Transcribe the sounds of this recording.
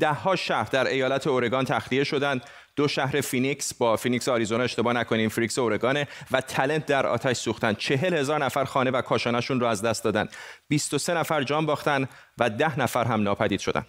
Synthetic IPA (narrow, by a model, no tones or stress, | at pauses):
d̪̥æhːɒːʃæhɾd̪æɾe̞jɒːlæt̪ʰe̞oɾe̞ɡɒːnt̪ʰæxlie̞ʃo̞d̪ænd̪ | d̪o̞ʃæhɾe̞finiksbɒːfinikseɒːɾizonɒeʃt̪e̞bɒːnækʰoniːnfiɾikseoɾe̞ɡɒːnevæt̪ʰæle̞nt̪̚ʰd̪æɾɒ̰ːt̪ʰæʃsuːxt̪ænd̪̥̚t͡ʃʰe̞ɦe̞lhe̞zɒːɾnæfæɾxɒːne̞vækʰɒːʃɒːnæʃunrʊæzd̪æst̪d̪ɒːd̪ænd̪̥biːst̪o̞se̞næfæɾd͡ʒɒːmbɒːxt̪ænd̪ | væd̪æhnæfæɾɦæmnɒːpʰæd̪iːd̪ʃo̞d̪æ̰nd̪̥